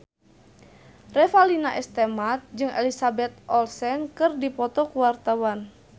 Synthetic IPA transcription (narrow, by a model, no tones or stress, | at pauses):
rɛfalinaʔɛst̪ɛmat̪̚d͡ʒɨŋɛ̰lisabɛt̪̚ʔɔlsɛnkɨrdipɔt̪ɔkuwart̪awan